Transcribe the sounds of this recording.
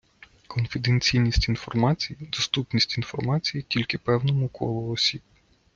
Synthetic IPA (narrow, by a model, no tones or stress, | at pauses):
kɔnfʲɪd̪enʲt͡sʲijnʲisʲtʲin̪fɔrmɑt͡sʲijid̪ɔst̪upnʲisʲtʲinfɔrmɑt͡sʲijitʲilʲkɪpɛwnɔmʊkʰɔlˠɔɔsʲib